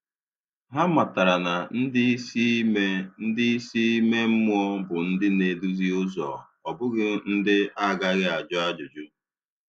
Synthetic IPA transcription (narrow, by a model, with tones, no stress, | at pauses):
ɦa˦ma˨ta˨ɾa˨na˨n̩˦dɪ˦me˦n̩˦dɪ˦si˦me˦m̩˦mʊ˦ɔ˦bʊ˨n̩˦dɪ˦ne˨du˦zi˦ʊ˦zɔ̰˨ | ɔ˨bʊ˦ɡɪ˨n̩˦dɪ˦a˦ɡa˦ɣɡɪ˦a˨d͡ʒɔ˦a˦d͡ʒʊ˨d͡ʒʊ˦